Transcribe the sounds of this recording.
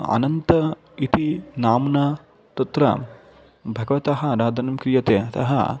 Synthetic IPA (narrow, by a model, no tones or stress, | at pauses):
ɐ̰nɐnt̪ɐ | it̪inaːmna | t̪ɐt̪ɾɐ̰ | bʱɐɡɐʋɐt̪ɐɦɐɾaːd̪ʱɐnɐmkɾijɐt̪eːɐt̪ɐ̰ɦɐ̰